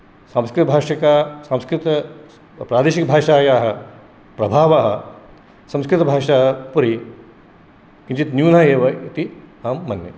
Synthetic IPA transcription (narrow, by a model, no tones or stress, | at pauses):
saːmskɾɪt̪ɐbʱaːʂɐkaːsaːmskɾit̪ɐ | pɾaːd̪eːʃikɐbʱaːʂaːjaːɦɐ | pɾɐbʱaːʋaːɦɐ | sɐ̃mskɾit̪ɐbʱaːʂaːɦɐpɐɾi | kint͡ʃit̪njuːnɐaeːʋɐit̪iɦaːmːɐnːḛ